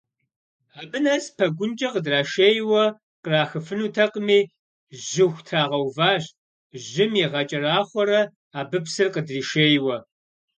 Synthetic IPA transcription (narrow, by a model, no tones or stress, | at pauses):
aːbɨnɐzpʰɐɡʷʊnt͡ʃʼɐqədraːʃeːjwɐ | qəraːxɨfɨnuːtʰɐqəmiː | ʒɪxʷtʰaːʁɐwvaːɕ | ʒɪmjiʁɐt͡ʃʼɐraːχʷɔɾɐ | aːbɨpsɨrqədriːʃeːjwɐ